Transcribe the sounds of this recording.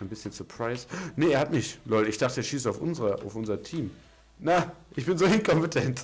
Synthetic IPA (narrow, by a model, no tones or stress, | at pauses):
ɪnbɪsçənsɔɐpʁ̥aɪsnəːɐhatmɪçlɔɪlɪçd̥aχtəɛʃiːsaʊfʔʊ̰nzəʁɐʔa̰ʊfʔʊnzɐtʰiːm | naʔɪçb̥ɪnzoːɪnkʰɔmpətʰɛnt